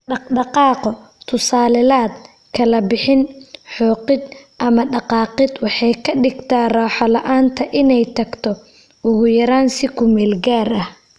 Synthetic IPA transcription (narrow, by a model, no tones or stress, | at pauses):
ɖɑɖɑqɑːqɔ | t̪ʰʊsaːlɪlaːd̪̚ | kʰɐlɐbɪħɪnħɔːqɪd̪ʔɐmɐɖɑqɑːqɪd̪wɑħɑjkʰɐɖɪɡt̪ʰaːraːħɔlɐʔaːnt̪ʰɐʔɪnɛjt̪ʰɐɡt̪ʰɔ | ʊɣʊjɐɾaːnsɪkʰʊmɛːlɡaːɾɐh